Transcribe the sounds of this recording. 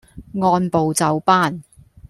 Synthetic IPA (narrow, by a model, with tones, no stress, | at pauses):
ŋɔː˧npo˨wt͡sɐ˨wpaː˥˨n